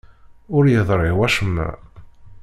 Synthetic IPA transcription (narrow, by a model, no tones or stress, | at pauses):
ʊɾjəðˤɾˤewæʃəmːæ̰